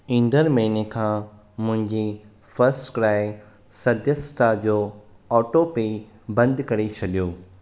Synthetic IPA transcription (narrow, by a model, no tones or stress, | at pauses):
ĩːnd̪əɾmɐɦinekʰãː | mʊ̃ɦɪ̃ɲd͡ʑi | fɐɾsʈkɾaːɪ | sɐd̪ʱjəsʈad͡ʑoː | ɔːʈopei | bɐ̃nd̪kɐɾet͡ɕʰɐɗijoː